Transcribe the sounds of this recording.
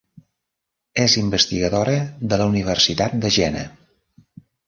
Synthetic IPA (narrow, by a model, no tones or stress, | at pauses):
ezimbəst̪iɣəðoɾəðələuniβ̞ərsit̪at̪̚d̪əʒɛnə̰